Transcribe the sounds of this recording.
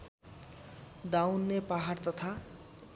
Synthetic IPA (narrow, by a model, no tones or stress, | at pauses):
d̪awnːepaɦart̪ʌt̪ʰa